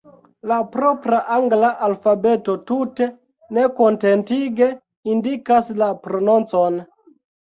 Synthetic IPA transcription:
lapɾo̞pɾaʔaŋɡlaʔalfabe̞to̞tute̞ | ne̞ko̞nte̞ntiɡe̞ | indikaslapɾo̞nont͡so̞n

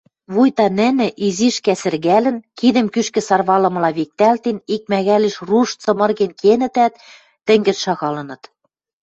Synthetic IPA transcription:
βujt̪ɑnɘ̆nɘ̆ʔiziʃkæsɘ̆rɣælɘ̆nkid̪ɘ̆mkyʃkɘ̆sɑrβɑlɤ̆mɤ̆lɑβik̚t̪ælt̪enik̚mæɣæliʃruʃt͡sɤ̆mɤ̆rɣenkenɘ̆t̪æt̪ː | ɘ̆ŋɡɘ̆t̪ʃɑɣɑlɤ̆nɤ̆t̪

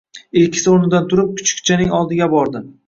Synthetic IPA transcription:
ɪlkʲʰɪ̥sɪonɪd̪ant̪ʰʊɾɪp̚kʰʊ̥t͡ʃkʲt͡ʃʰanɪŋɒlˠd̪ɪɡʲabɒɾd̪ɪ

